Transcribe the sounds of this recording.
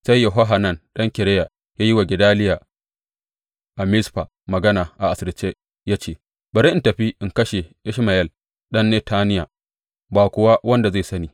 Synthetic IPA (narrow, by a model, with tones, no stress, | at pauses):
sa˦jːɐ˨ɦo˦ɦa˨nɐ˦˨nɗɐ˦ŋkʲɪ˨ɾɛ˦ja˨ | jaː˦ji˦wa˨ɡʲɪ˨daː˦lɪ˦ja˨ | ʔa˨mɪ˦sɸa˨ | mɐ˨ɡɐ˦naː˨ʔa˨ʔa˨sɪ˨ɾɪ˨t͡ʃːe˦ | ja˦t͡ʃeː˦˨ | bɐ˨ɾe˦ʔɪ˦ntɐ˨ɸi˦ʔɪ˨ŋkɐ˦ʃe˨ʔɪ˦ʃmɐ˨jɐ˦˨l | ɗɐ˦nːeː˦tʰaː˦nɪ˦ja˨ | baː˨kʷʊ˨wa˦wɐ˦nda˨za˦˨sɐ˦niː˨